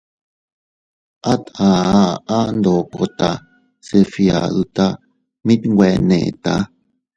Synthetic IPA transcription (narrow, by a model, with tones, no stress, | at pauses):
ʔa˦t̪ã˨aa˦nd̪o˨ko̰˨t̪a˨ | sefia̰˨ðu˨t̪a˦ | mi˦t̪we˨nḛ˨t̪a˦